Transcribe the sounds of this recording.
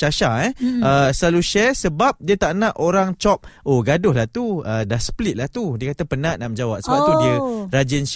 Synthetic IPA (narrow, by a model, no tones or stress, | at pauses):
aʃaɛəsəlaluʃɛsəbap̚diət̪aʔnãʔoɾaŋt͡ʃɔp̚ʔoɡadʊhlaht̪uədahsə̥plit̪̚laht̪udiəkat̪apənãʔnaʔməd͡ʒawap̚səbaʔt̪udiəɾad͡ʒɪnʃ